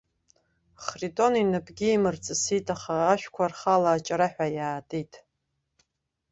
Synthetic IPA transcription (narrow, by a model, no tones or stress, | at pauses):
χritʼo̞ninɨpɡʲiːmɨrt͡sʼɨsijtʼaχaːʃᶣkʷʰarχalaːt͡ʃʼaɾaħʷᶣajaːtʼitʼ